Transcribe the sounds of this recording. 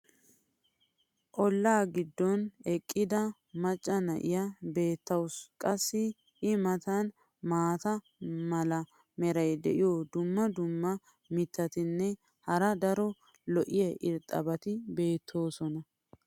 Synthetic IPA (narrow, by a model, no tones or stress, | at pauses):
ʔɔlːaːɡɪd̪ːɔnɛkʼːɪd̪ɐ | mɐt͡ʃʼːɐnɐʔɪjɐbe̞ːt̪ːɐwskʼɐsːɪ | ʔɪmɐt̪ɐn | maːt̪ɐ | mɐlɐ | mɛɾɐjd̪ɛ̰ʔɪjod̪ʊmːɐd̪ʊmːɐ | mɪt̪ʰːɐt̪ɪnːɛ | hɐɾɐd̪ɐɾɔ | lɔʔɪjɛʔɪɾt̪ʼɐ̰bɐt̪ɪbe̞ːt̪ʰːo̞ːsɔnɐ